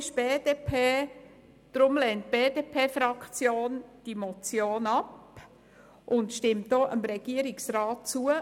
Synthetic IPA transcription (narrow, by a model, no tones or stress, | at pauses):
ʃb̥eːdeːpʰeː | d̥ɾʊmlɛnt̚b̥eːdeːpʰeːfɾɑkt͡sjoːnd̥imɔt͡sjoːnɑp | ʔʊntʃtɪmtdoːʔəmɾɛɡ̥iəɾɪksɾɑːtt͡suə